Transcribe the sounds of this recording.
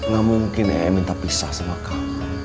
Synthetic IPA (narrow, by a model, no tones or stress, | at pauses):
ŋamuŋkɪnḛmint̪apisahsawaka